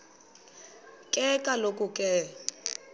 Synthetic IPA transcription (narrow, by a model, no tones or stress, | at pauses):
kʼɛkʼalokʼʊkʼɛ